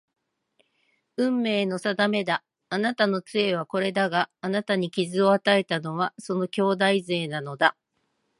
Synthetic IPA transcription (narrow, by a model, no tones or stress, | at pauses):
ɯ̟̃mːe̞ːno̞sad̪ame̞d̪aː | nat̪ano̞t͡sɨe̞β̞ako̞ɾe̞d̪aɡaːnat̪aɲ̟ikʲizɨo̞at̪ae̞t̪ano̞βaso̞no̞kʲo̞ːd̪aize̞ːnano̞d̪a